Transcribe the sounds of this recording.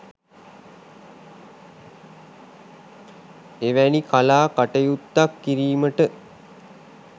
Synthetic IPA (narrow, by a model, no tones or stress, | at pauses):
eʋænikalaːkaʈəjut̪ːakːiɾiːməʈə